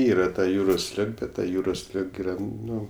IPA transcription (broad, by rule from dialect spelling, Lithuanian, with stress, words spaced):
ˈiːrɐ tɐ ˈjuːroːs ˈlʲɪk ˈbʲɛt ˈtɐ ˈjuːroːs ˈlʲɪk ˈiːrɐ ˈnʊ